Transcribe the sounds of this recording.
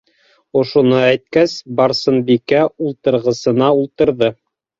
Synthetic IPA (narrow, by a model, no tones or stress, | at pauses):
ŏʃunɤæjt̪̚kæsbɑɾsɤnbikæulˠt̪ɤ̆ɾʁɤ̆sɤ̆nɑulˠt̪ɤ̆ɾðɤ